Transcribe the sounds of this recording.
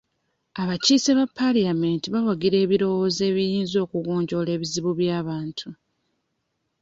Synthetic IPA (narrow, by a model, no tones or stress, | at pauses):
aβaciseβapʰːaliamentiβawaɡiɾe̞ːβiɾo̞wo̞ze̞ːβijiːnzo̞ːkuɡo̞ːɲɟo̞le̞ːβiziβuβjaːβaːntʰu